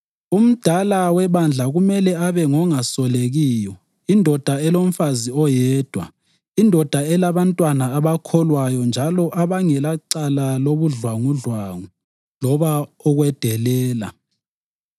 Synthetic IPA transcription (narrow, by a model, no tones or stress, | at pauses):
um̩d̥ʱalawɛβand͡ɮʱaɣumɛlɛaβɛŋɔŋasɔleɣiːjɔ | indʱɔd̥ʱaɛlom̩faziɔjɛːd̥ʱwa̰ | indʱɔd̥ʱaɛlaβantʼwanaːβakʰɔlwajɔnd͡ʒʱalɔʔaβaŋɛlaǀalaloβuɮwaŋuɮwaŋu | lɔβaɔɣwɛd̥ʱɛlɛːla̰